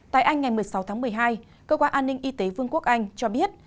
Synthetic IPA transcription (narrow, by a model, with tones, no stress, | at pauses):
t̪a̰ː˧˨jʔa˧jŋ̟ŋa˨˩jmɨ˨˩əjsa˨˦wt̪ʰaː˨˦ŋmɨ˨˩əjɦaː˧j | kəː˧kwaː˧nʔaː˧nːï˧ŋ̟ʔi˧t̪e˨˦vɨ˧əŋku˦˥ək̚ʔa˧jŋ̟t͡ɕɔ˧ɓi˦˥ət̚